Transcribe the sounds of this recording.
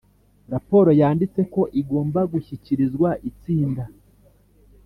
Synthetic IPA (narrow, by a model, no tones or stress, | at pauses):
ɾapo̞ɾo̞jaːndit͡se̞ko̞ʔiɡo̞ːmbaɡuçiciɾizɡwaʔit͡siːnda